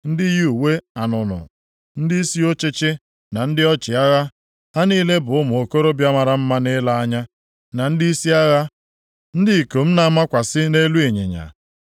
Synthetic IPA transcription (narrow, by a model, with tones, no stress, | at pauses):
n̩˦dɪ˦ju˨we˦a˨nʊ˨nʊ̰˨ | n̩˦dɪ˦i˦si˦o˦t͡ʃɪ˦t͡ʃɪ˦ | na˨n̩˦dɪ˦ɔ˦t͡ʃɪ˨a˦ɣa˦ | ha˦niː˦le˦bʊ˨ʊ˦mʊ˨o˨ko˦ɾo˦bja˦ma˨ɾa˨m̩˦ma˦ne˦la˦a˦ɲa˦ | na˨n̩˦di˦i˦si˦a˦ɣa˦ | n̩˦dɪ˦˨ko˨m̩˦na˨a˦ma˦kʷa˨sɪ˦ne˦lu˦e˨ɲḛ˨ɲa̰˨